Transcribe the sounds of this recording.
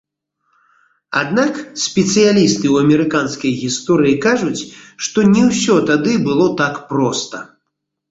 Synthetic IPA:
a̰d̪naksʲpʲɛt̪sɨjalʲist̪ɨwɐmʲɛɾɨkanskɐjɣʲist̪ɔɾɨjikaʐut͡sʲʂt̪ɔnʲɛwsʲɔt̪ad̪ɨbɨlˠɔt̪akpɾɔst̪ɐ

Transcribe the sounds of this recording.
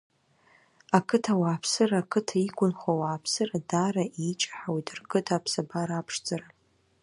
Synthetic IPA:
akʰɨtʰawaːpʰsɨraːkʰɨtʰaikʷʼʊnχawaːpʰsɨradaɾaʔit͡ʃʼḁħawidɨrɡʼɨtʰapʰsabaɾaːpʰʂd͡zʼara

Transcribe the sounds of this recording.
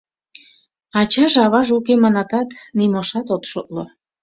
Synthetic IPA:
ɑt͡ɕɑʒɑβɑʒukemɑnɑt̪ɑt̪nimoʃɑt̪ot̪ʃo̰t̪̚lo

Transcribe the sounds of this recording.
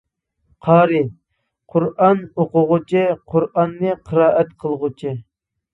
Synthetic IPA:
qʰɑːɾɨ | qʰʊɾɑnoqʊʁʊt͡ʃʰɪqʰʊɾʔɑnːɨqʰəɾɑːʔɛt̪qʰəlˠʁʊt͡ʃʰi

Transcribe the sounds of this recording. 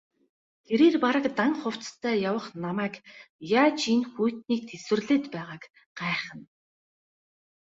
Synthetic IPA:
t̪ʰeɾeːrpaɾə̆kt̪aŋχʊw̥t͡st̪ʰæːjawə̆χnamæːkjaːt͡ɕinxujt̪niːk̚t̪ʰeswɘ̆rɮeːt̪pæːʁaːk | ɢ̥æːχə̆n

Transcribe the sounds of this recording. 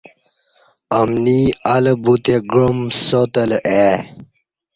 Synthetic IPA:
əmniɐləbut̪eɡɾomsot̪əlʔe

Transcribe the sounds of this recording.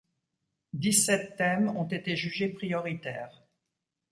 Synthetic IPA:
d̪isɛt̪ːɛmɔ̃t̪et̪eʒyʒepχijɔʁit̪ɛ̰ːʁ

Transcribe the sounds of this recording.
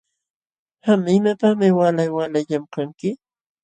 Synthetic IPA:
hamɪmapamɪwalajwalaʎamkaŋkɪ

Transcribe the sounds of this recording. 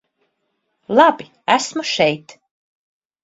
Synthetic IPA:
lˠɑbi | æsmuʃɛjt̪

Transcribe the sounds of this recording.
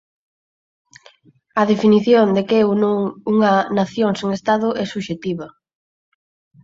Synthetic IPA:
ɐðefiniθjond̪ekewnoŋuŋɐnaθjoŋseŋest̪aðʊʔɛsuʃet̪iβɐ

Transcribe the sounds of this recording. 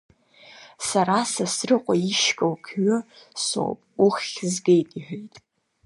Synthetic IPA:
saɾasasrɨqʷʼaiʃkʼowkʰɥʊso̰wpʼuχʲzɡejtʼiħᶣejtʼ

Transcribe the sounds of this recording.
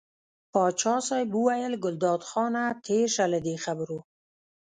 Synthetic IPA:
pɑt͡ʃɑsɑjbuwajəlɡʊld̪ɑd̪xɑnat̪ʰeʃaləd̪exabɾu

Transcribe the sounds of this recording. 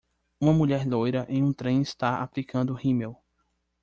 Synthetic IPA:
ũmɐmuʎɛɾlojɾɐʔẽj̃ũt̪ɾẽj̃ist̪aa̰plikʰɐ̃nd̪ʊhĩmew

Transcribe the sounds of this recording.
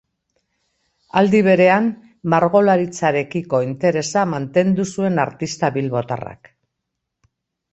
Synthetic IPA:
ald̪iβ̞e̞ɾe̞am | maɾɣo̞laɾit͡saɾe̞kiko̞int̪e̞ɾe̞samant̪e̞nd̪usue̞naɾt̪ist̪aβilβo̞t̪a̰ra̰k

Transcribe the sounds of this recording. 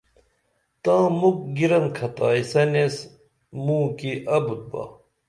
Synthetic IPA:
t̪ãːmuk̚ɡiɾɐn̚kʰɐt̪aːisɐnes | mũːkiʔɐbut̪̚ba̰

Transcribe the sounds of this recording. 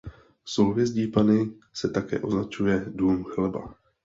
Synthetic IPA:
sowvjɛzɟiːpanɪsɛt̪akɛ̰ːʔo̞znat͡ʃujɛduːmxlɛba̰

